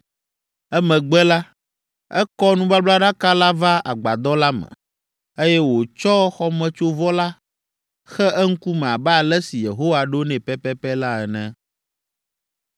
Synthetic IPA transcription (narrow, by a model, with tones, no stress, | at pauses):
ɛ˦mɛ̃˨ɡ͡bɛ˦la˦ | ɛ˦kɔ˦nũ˦ba˦bla˦ɖa˦ka˦la˦va˦a̰˨ɡ͡ba˨d̪ɔ˦la˦mɛ̰̃˨ | e˦jɛ˦wo˨t͡ʃɔ˦xɔ˦mɛ̃˦t͡ʃo˦vɔ˦la˦ | xɛ˦ɛ˦ŋ̩˦ku˦mɛ̃˨a˨bɛ˦a˨lɛ˦si˨je˨ɦo˦wa˨ɖo˦nɛ̃˨pɛ˦pɛ˦pɛ˦la˦ɛ˨nɛ̃˦˨